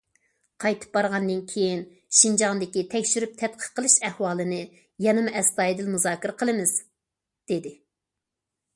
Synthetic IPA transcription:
qʰɑjt̪ʰɨ̥p̚bɑɾʁɑnd̪ɨnkʲʰejin | ʃind͡ʒɑŋd̪ɪkʲit̪ʰɛkʲʃyɾyp̚t̪ʰɛt̪̚qʰə̥qʰːəlˠɨʃɛhwɑːlˠɨnɨ | jɛnɨmɛst̪ɑːjd̪ɪlmuzɑːkʲiɾəqʰəlˠɨmɨz̥ | d̪̥ed̪ɪ

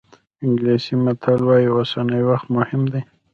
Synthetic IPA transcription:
ɪŋɡlisimat̪ʰɑlwɑjiawasɑnəjwaxt̪mʊhɪmd̪a

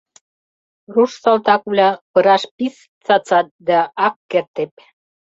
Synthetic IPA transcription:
ruʃsɑlt̪ɑkβlʲɑpɤ̆ɾɑʃpis | t͡sɑt͡sɑt̪̚d̪æɑkːert̪ep̚

